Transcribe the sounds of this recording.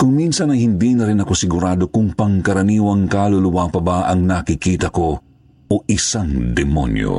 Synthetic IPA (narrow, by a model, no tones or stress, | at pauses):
kʊŋminsɐnɐjhɪnd̪inɐɾɪnɐko̞sɪɡʊɾaːd̪o̞kʊŋpɐŋkɐɾɐniːwɐŋkaːlolʊwaːpɐbaʔɐŋnɐkɪkiːt̪ɐko̞ | oʔɪsaŋd̪ɛmo̰njo̰